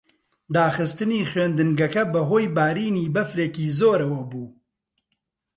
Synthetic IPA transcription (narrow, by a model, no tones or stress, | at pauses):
d̪aːxɨst̪ɨniːxweːnd̪ɨnɡɐkɐbɐɦoːjbaːɾiːniːbɐfɾeːkiːzoːɾɐwɐbuː